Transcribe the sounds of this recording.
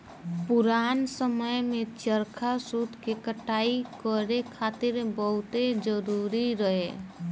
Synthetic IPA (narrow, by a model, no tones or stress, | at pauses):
puɾansəməjmet͡ʃəɾkʰasud̪ʱkekəʈaikəɾekʰat̪iɾbəɦut̪ed͡ʒəɾuɾiɾəɦe